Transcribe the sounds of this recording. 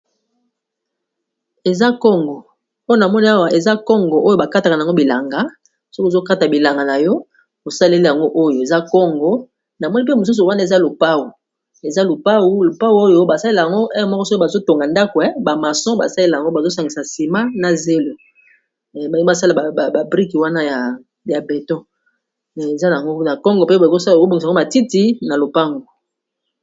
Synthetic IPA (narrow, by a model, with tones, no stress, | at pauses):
e˨za˦kɔ˦ŋɡɔ˨ | o˦jo˦na˨mɔ˦ni˦a˦wa˨ʔe˨za˦kɔ˦ŋɡɔ˨ʔo˦jo˦ba˨ka˦ta˨ka˨n˨ɡo˦bi˨la˨ŋɡa˨˦ | so˦kzo˦ka˦ta˨bi˨la˨ŋɡa˨na˨jɔ˦ | o˨sa˦le˦li˦ja˨ŋɡo˦ʔo˦jo˨e˨za˦kɔ˦ŋɡɔ˦ | na˨mɔ˦ni˦pmo˨s̬u˦s̬u˨wa˦nda˨e˨za˦lo˨pa˦wu˨ | e˨za˦lo˨pa˦wu˦lo˨pa˦wu˦o˦jo˦ba˨sa˦le˦la˨ja˨ŋɡo˦ʔe˦jɔ˨˦mɔ˦kɔ˦so˦a˨zo˦to˨ŋɡa˨nda˦ko˨ɛ˦ba˨ma˨sɔ̃˦ba̰˨sa˦le˦la˨a˨ŋɡo˦ba˨zo˦sa˨ŋɡi˨sa˨si˨ma˦na˨ze˦lo˨ | ba˨˦a˦sa˦la˨a˨a˨ba˨bʁi˦kwa˦na˦ja˨ | ja˨be˨tɔ̃˦˨ | e˨za˦a˨a˨ŋɡo˦na˨kɔ˦ŋɡɔ˨pe˦ba˨o˦sa˦˨o˦bo˨ŋ˨˦o˦ma˨ti˦ti˦na˨lo˨pa˦ŋɡo˨